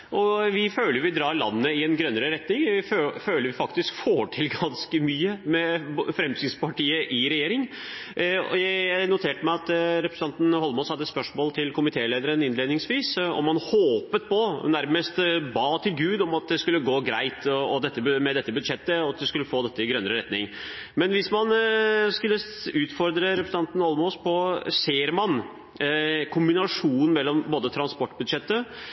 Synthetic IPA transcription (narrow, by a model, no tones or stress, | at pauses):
ʔɔʋɪføːləjʊʋɪd̪ɾɑːɾɭɑ̰nːəːəɪɛnɡɾœnːəɾəɾɛt̪nɪŋʋɪføːləɾʋɪfɑkt̪ɪskfoːʈʰɪlɡɑnskəmyːəmɛfɾɛmsiːspʰɑʈiːəʔɪɾɛjeːɾɪŋ̰ | jænʊt̪ʰeːʈəmæɪɑt̪ɾɛpɾəsn̩ɑnt̪n̩hɔlmɔshɑd̪ːət̪spœʂmoːlt̪ʰɪlkʰʊmɪt̪ʰeːleːd̪əɾənɪnleːd̪nɪŋsʋiːsɔ̰mːɑnhoːpət̪̚pʰɔnæɾməst̪bɑːt̪ʰɪlɡʉːd̪ɔmɑt̪̚d̪ɛskʉlːəɡoːɡɾæɪt̪ɔɔd̪ɛt̪ːəmɛd̪ɛt̪ːəbʉd̪ʂɛt̪ːəɑt̪̚d̪ɛskʉlːəfoːd̪ɛt̪ːəɪɡɾœnːəɾəɾɛt̪nɪ̰ŋ | mɛnʋɪsmɑnskʉlːəʉːt̪fɔɾd̪ɾəɾɛpɾəs̩ɑnt̪n̩hɔlmoːspʰɔseːɾmɑn | kʰʊmbɪnɑʂuːnnn̩mɛlːɔmboːd̪ət̪ʰɾɑnspɔʈːbʉd̪ʂɛt̪ːə